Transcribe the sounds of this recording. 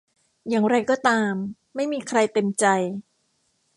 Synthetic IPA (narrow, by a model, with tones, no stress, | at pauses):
jaː˨˩ŋɾa˧jkɔː˥˩t̪aː˧mː | a˥˩jmiː˧kʰɾa˧jt̪e˧mt͡ɕa˧j